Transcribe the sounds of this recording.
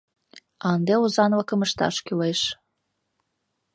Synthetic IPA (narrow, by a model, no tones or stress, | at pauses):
ɑnd̪euzɑnwɑkə̆məʃt̪ɑ̰ʃkʲylejʃ